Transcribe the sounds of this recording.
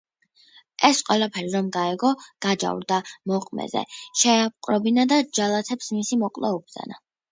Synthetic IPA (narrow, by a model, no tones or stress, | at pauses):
ɛsqʼwɛlˠapʰɛɾiɾɔmɡaɛɡɔɡ̥ad͡ʒa̰vɾd̪amɔqʼmɛ̰zɛ̰ʃɛap̚qʼɾɔbinad̪ad͡ʒalˠat̪ʰɛpsmisimɔqʼlˠaubza̰na